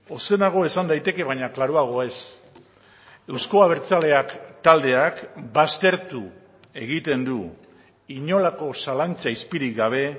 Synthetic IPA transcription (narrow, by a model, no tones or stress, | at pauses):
o̞se̞naɣ̞o̞e̞sand̪ajt̪e̞ke̞βaɲaklaɾuaɣ̞o̞e̞s | e̞wsko̞aβ̞e̞ɾt͡sale̞akt̪ald̪e̞akbast̪e̞ɾt̪u | e̞ɣ̞it̪e̞nd̪u | iɲo̞lako̞salant͡saispiɾiɡaβ̞e̞